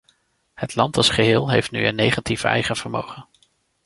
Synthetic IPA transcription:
hətlɑntɑlˠsχəɦɪːlˠɦejftnyənːejχativɛ̰jχənv̥əɹmowχən

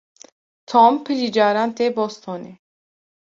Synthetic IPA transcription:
t̪ʰɔmpʰɨlid͡ʒaːɾant̪ebɔst̪ʰɔni

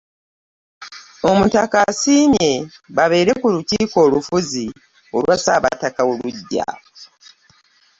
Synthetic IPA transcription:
o̞mutakasiːme̞βaβe̞ːɾe̞kuluciːko̞ːlufuzi | o̞lwasaːβa̰takaoluɟːa̰

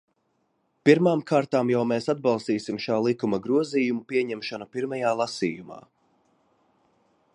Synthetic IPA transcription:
piɾmaːmkʰaːɾt̪aːmjawmeːsad̪̚bɑlˠst̪iːsimʃaːlˠikumɐɡɾuɔziːjumupiɛɲɛmʃanapiɾmajaːlˠasḭːjuma̰ː

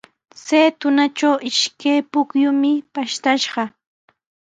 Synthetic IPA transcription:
seːt̪ʊnat͡ʃawʔɪʃkajpʊkjʊmɪpaʃt̪aʃɢɑ

